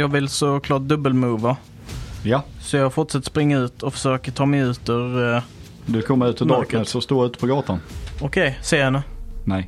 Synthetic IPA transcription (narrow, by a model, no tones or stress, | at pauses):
jɑːɡvɪlsɔkʰlɑːʈ̚d̪ɵbːəlmuːva | jasɔjɑɡfʊʈʂɛt̪ːspɾɪŋːaʉ̟ːt̪ʰɔfə̥ʂøːkəʈʰɑːmɛjʉ̟ːt̪ʉɾ | d̪ʉɪkʰɔmːaʉːt̪ʰɪd̪ɑk̪əsɔst̪oːʉ̟ːt̪ə̥pʰɔɡɑːt̪anɔkʰɛjseːhɛnːənɛj